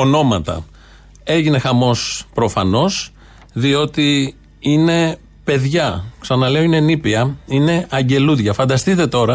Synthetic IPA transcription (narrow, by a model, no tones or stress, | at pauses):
o̞no̞mɐt̪ɐ̰ | e̞ʝine̞xɐmo̞spɾo̞fɐno̞s | ðio̞t̪i | ine̞ | pe̞ðʝɐksɐnɐle̞oine̞nipiɐine̞ɐɲɟe̞luðʝɐfɐnd̪ɐst̪it̪e̞t̪o̞ɾɐ